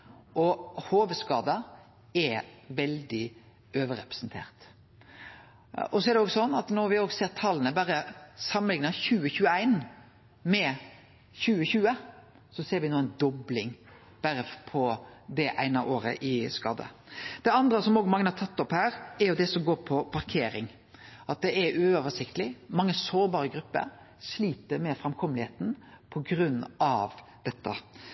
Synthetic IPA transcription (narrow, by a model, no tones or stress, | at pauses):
ʔɔhoːʋəskɑːd̪ɑ | ɛʋɛld̪ɪ | øːʋəɾɛ̰pɾɛ̥snt̪ʰḛːɾt̪ | ɔsɔɛɾd̪ɛoːɡsɔnːɑt̪nɔɾʋɪoːɡseːɾt̪ʰɑlːənəbæːɾəsɑməlɪŋnɑçʉːəçʉːəæɪn | mɛ | çʉːəçʉːə | sɔseːɾʋɪnuːənd̪ɔblɪŋ | b̥æɾəpʰɔd̪ɛʔæ̰ɪnɑʔoːɾə̰ʔɪskɑːd̪ə̰d̪̥ɛɑnd̪ɾəsɔmoːɡmɑŋənəhɑɾt̪ʰɑt̪ːɔphæːɾɛɾjʊd̪ɛsɔmɡoːɾpʰɔpʰɑɾkʰeːɾɪŋ | ʔɑt̪̚d̪ɛʔɛɾʉɔʋəʂɪkt̪lɪmɑŋːəsoːɾbɑːɾəɡɾʉpːə̰ɾ | ʂliːt̪əɾmɛfɾɛmkʰɔmlɪheːt̪n̩pʰɔɡɾʉnːɑʋd̪̥ɛt̪ʰːɑ̰